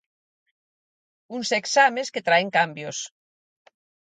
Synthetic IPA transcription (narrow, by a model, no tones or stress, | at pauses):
unseksamesket̪ɾaeŋkambjos